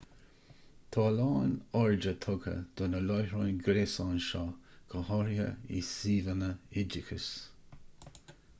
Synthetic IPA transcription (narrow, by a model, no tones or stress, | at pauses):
t̪ʰɑːlɑːnɔɹd͡ʒət̪ʰɔɡə̰d̪̥onəlɔjɹonɡɾesɑnʃɑːkʰəhɔɾjə̰ḭsiːðənəɪd͡ʒɪkʰə̰s